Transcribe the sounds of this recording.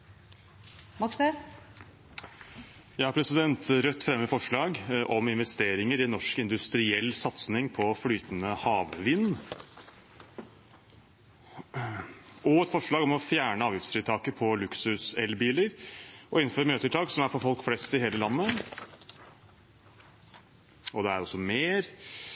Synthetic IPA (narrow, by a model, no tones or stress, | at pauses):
mɑkse | jæɪhɑɾpʰɾɛsɪd̪ɛnt̪ɾœt̪ːfɾɛmːəəfɔʂɭɑːɡʔɔmɪnʋɛst̪eːɾɪŋəɾɪɛnːɔʂkɪnd̪ʉst̪ɾɪɛlːsɑt̪snɪŋpʰɔflyːt̪nəhɑːʋʋɪnː | ɔɛt̪fɔʂɭɑːɡɔmɔfjæːɳəɑːʋjɪft̪sfɾiːt̪ʰɑːkəpʰɔlʉksʉsɛlbiːləɾʔɔɪn̩ːføːɾmøːt̪əʈʰɑːksɔmæɾfɔɾfɔlkflɛst̪ɪɦeːləlɑnːə | ɔd̪ɛæɾɔsːɔmeːɾ